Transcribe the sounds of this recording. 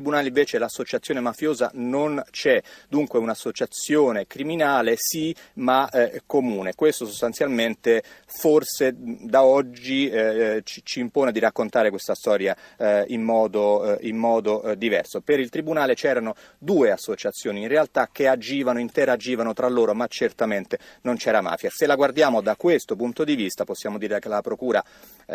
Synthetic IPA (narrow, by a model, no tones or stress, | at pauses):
t̪ɾibunaːleiɱveːt͡ʃelasːot͡ʃat̪sjoːnemafjoːza̰nont͡ʃɛd̪uŋkweunasːot͡ʃat̪sjoːnekɾiminaːlesimakːomuːnekwest̪osost̪ansjalment̪eforsed̪aɔd͡ʒːit͡ʃi̥t͡ʃiːmpoːned̪irakːont̪aːɾekwest̪ast̪ɔːɾjaimːɔːd̪oimːɔːd̪od̪ivɛ̰rsopeɾilt̪ɾibunaːlet͡ʃɛːɾano | d̪uːeasːot͡ʃat̪sːjoːniːnrealt̪ak̟ːead͡ʒiːvanoint̪eɾad͡ʒiːvanot̪ɾalːoːɾomat͡ʃert̪ament̪enont͡ʃɛːɾama̰ːfjaselaɡward̪jaːmod̪akwest̪opunt̪od̪ivist̪aposːjaːmod̪iːɾekelapɾokuːɾa